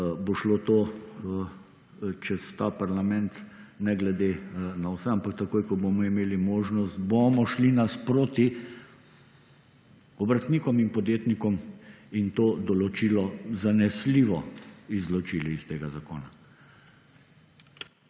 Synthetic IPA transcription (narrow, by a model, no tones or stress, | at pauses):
boʃlot̪oː | t͡ʃɛst̪aːpaɾlamɛnt̪ | nɛɡlɛd̪enawsɛampakt̪ɐkoːjkɔbomɔimeːlimoːʒnɔst̪bomɔʃlinaspɾoːt̪i | ɔbɾat̪niːkɔminpɔd̪jeːt̪nikɔmint̪oːd̪ɔlɔt͡ʃiːlɔzanɛsliːʋɔizlɔt͡ʃiːliist̪eːɡazako̰ːna